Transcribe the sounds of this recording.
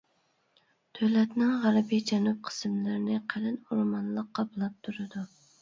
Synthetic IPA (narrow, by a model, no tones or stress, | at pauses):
t̪ʰølɛt̪nɪŋʁæɾbid͡ʒɛnup̚qʰə̥smlɪɾɪnɪqʰælɪnuɾmɑnlˠəqːɑplˠɑp̚t̪ʰuɾɨd̪u